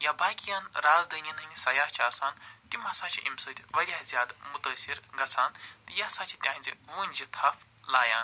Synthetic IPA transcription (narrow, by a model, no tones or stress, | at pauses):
jabaːkʲijaːnɾaːzd̪ənʲinɐnʲisɐjaːɦt͡ʃʰaːsaːnt̪imɐsaːt͡ʃʰiʔimsoːt̪ʰʲiʋɐɾʲjaːɦzʲjaːd̪mut̪əːsiɾɡɐt͡sʰaːnt̪ɨjasãːt͡ʃʰit̪ʲãːnʲd͡ʒiʋuːnʲd͡ʒit̪ʰɐf | laːjãːn